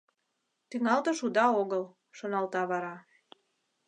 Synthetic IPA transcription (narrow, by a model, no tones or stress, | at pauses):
t̪yŋɑlt̪ə̆ʃud̪ɑoɣəl | ʃonɑlt̪ɑβɑɾɑ